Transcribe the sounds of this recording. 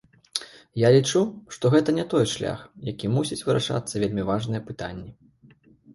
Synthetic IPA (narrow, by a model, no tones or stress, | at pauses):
jalʲit͡ʂuʂt̪ɔɣɛt̪ɐnʲɛt̪ɔjʂlʲa̰xjakʲimusʲit͡sʲvɨɾʔa̰ʂa̰t̪sːɐvʲelʲmʲivaʐnɨjɐpɨt̪a̰nʲːɛ